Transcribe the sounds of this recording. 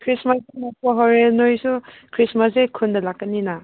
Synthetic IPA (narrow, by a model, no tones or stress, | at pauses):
kʰɾismasemapɔɦɔɾenojsukʰɾismasekʰundɐlakːɐnːina